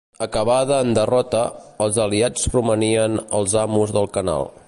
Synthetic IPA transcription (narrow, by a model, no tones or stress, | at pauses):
əkəβaðəːnd̪ərɔt̪əːlˠzəliat͡spɾuməniənəlˠzamuzðəlˠkəna̰lˠ